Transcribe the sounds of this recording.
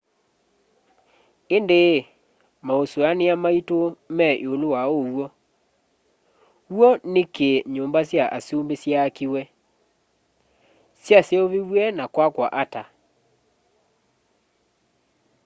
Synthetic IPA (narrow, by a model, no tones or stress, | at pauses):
ende | maosoaneamaitomɛʔeolowaowɔ | wɔnekeɲombasjaʔasiombesjaːkiwɛ | sjasjeoβiwwɛnakwakwaʔata